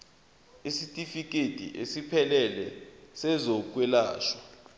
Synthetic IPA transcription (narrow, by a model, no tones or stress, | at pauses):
isitʼifik̬ʼetʼḭʔesipʰɛlɛlɛsɛzok̬ʼwɛlaːʃḁ